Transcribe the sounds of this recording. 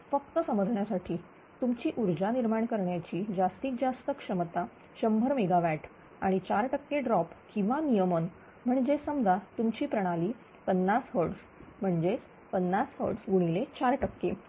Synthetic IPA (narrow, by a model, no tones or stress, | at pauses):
fəkt̪əsəməd͡zʱɳjasaʈʰiː | t̪umt͡ɕiːʔuɾd͡ʑaniɾmaɳkəɾɳjat͡ɕiːd͡zast̪iːk̚d͡zast̪əkʂəmət̪a | ɕəmbʱəɾmeɡaʋæʈ | a̰ɽ̃it͡ɕaɾʈəkːeɖɾɔpkĩw̃ʋanijəmən | m̤əɳd͡ʑesəmd̪at̪umt͡ɕiːpɾəɽ̃aliː | pənːasɦəɾɖs | m̤əɳd͡ʑet͡s | pənːashə̰ɾɖsɡuɽ̃ilet͡ɕaɾʈəkːe